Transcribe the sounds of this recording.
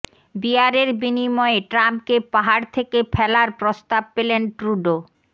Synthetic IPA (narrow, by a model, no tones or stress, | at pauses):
biaɾeɾbinimɔeʈɾamp̚kepaɦaɾt̪ʰekefʰɛlaɾpɾost̪ab̚pelenʈɾuɖo